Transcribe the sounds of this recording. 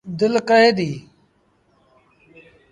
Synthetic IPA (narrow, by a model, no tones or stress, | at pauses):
d̪ɪlkəɦeːd̪iː